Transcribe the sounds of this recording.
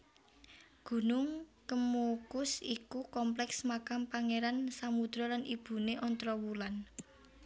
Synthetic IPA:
ɡ̥ṳnʊŋkəmukʊsikukɔmplɛksmakampaŋeɾansamud̪̥ɾɔlanib̥ṳneʔɔnt̪ɾɔwulan

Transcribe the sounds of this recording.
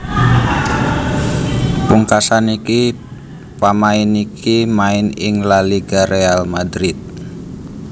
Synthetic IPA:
puŋkasaniki | pamaɪnikʰimaɪnɪŋlaliɡaɾealmad̪ɾɪt̪̚

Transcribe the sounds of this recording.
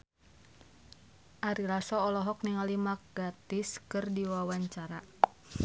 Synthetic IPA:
ʔaɾilasɔːlɔɦɔk̚niŋalimak̚ɡ̥at̪iskɨrdiwawaɲt͡ʃaɾa

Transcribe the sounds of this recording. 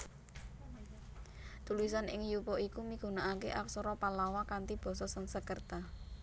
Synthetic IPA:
t̪ulisanʔɪ̰ŋjupɔʔikumiɡ̥ṳnaʔakeʔaksɔɾɔpalawakant̪ib̥ɔ̤sɔsəŋsəkərt̪a

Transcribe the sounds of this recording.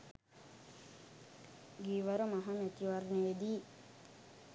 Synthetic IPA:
ɡiːʋɐɾomaɦɐmet̪iʋaɾneʋed̪iː

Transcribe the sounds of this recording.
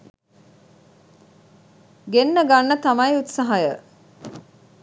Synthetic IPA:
ɡenːəɡanːət̪ɐmɐjut̪sɐɦajə

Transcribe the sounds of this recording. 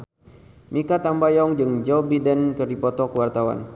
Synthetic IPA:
mikat̪ambajɔŋd͡ʒɨŋd͡ʒɔbidɛnkərdipɔt̪ɔkəwart̪awa̰n

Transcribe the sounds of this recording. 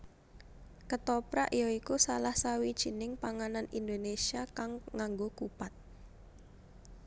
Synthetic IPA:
kət̪ɔpɾa̰ʔijɔikusalahsawid̥ʒ̥i̤nɪŋpaŋananind̪onesiakaŋŋaŋɡokupat̪̚

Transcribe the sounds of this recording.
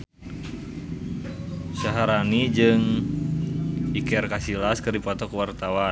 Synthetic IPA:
saɦaɾanid͡ʒɨŋ | ikɛrkasilaskɨrdipɔt̪ɔkwart̪awa

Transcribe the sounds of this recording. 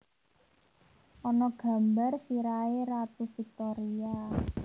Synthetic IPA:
ʔɔnɔɡ̥a̤mbarsiɾaeɾat̪ufik̚t̪ɔɾia

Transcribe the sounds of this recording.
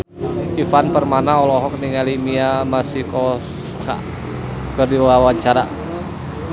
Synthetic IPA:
ifanpərmanaɔlɔɦɔk̚niŋalimiamasikɔs | kʰa̰ | kərdiwawaɲt͡ʃaɾa̰

